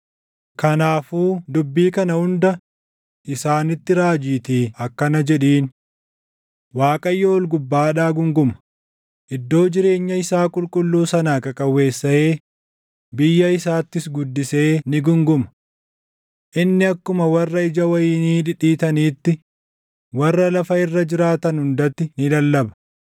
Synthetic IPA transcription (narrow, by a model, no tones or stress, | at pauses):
kɐnaːfuːd̪ʊbːiːkɐnɐhʊnd̪ɐ | ʔɪsaːnɪt̪ːɪɾaːd͡ʒiːt̪iːɐkːɐnɐd͡ʒɛᶑiːn | waːkʼɐjːoɔlɡʊbːaːᶑaːɡʊŋɡʊmɐ̥ | ʔɪd̪ːo̞ːd͡ʒɪɾe̞ːɲːɐɪsaːkʼʊlkʼʊlːuːsɐnaːkɐkʼɐwːe̞ːsːɐeː | bɪjːɐɪsaːt̪ːɪsɡʊd̪ːɪse̞ːnɪɡʊŋɡʊmɐ̥ | ʔɪnːɪɐkːʊmɐwɐrːɐɪd͡ʒɐwɐjiːniːᶑɪᶑiːt̪ɐniːt̪ːɪ | wɐrːɐlɐfɐɪrːɐd͡ʒɪɾaːt̪ɐnhʊnd̪ɐt̪ːɪnɪlɐlːɐbɐ̥